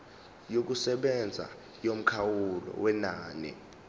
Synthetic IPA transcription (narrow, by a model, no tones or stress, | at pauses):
jok̬usɛɓɛnd͡zʱa̰ | jom̩kʰawulɔ̰wɛnaːnɛ̰